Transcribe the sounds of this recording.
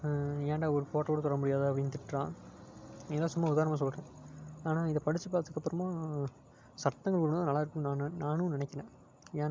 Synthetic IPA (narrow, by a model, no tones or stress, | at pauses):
eːɳɖaːɔɾɯpoːʈːoːɽɐt̪ɔɾɐmʊɽɪjaːðɯɐpɽɪnt̪ɪʈɾãː | ɪðɐlːaːsʊmːɐʊðaːɾɐnɐmaːs̬ɔlːʈɛ̃aːnaːɪnðɐpɐɽɪt͡ʃːɯpːaːɾt̪ːɯkːɐpːɯɾɐmaː | sɐɾt̪ːɐŋɡɐɭkʊɭñãːnɐlːaːɪɾkːʊ̃naːnnaːnũnɪnɛkːɐnẽː | eːn